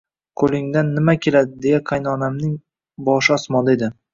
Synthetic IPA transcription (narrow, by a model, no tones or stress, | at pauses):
kʰɵlɪŋd̪anːɪmakʲʰe̞lad̪ɪd̪e̞jaqʰajnɒnamnɪŋ | bɒʃɪɒsmɒlɪed̪ɪ